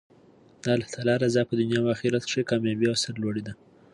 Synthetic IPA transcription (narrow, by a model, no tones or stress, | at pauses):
d̪ɑlaht̪alɑɾazɑpəd̪ʊnjɑmaxiɾat̪ʂekɑmjɑbiawsaɾlwoɽed̪a